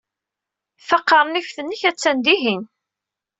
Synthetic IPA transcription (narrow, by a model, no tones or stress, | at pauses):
θɑqːɑɾˤnifθənːəçæt͡sːænd̪iɦin